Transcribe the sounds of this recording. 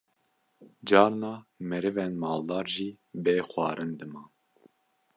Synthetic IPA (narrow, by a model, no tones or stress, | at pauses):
d͡ʒɑːɾnɑːmɛɾɨvɛnmɑːld̪ɑːɾʒiː | beːxwʷɑːɾɨnd̪ɨmɑː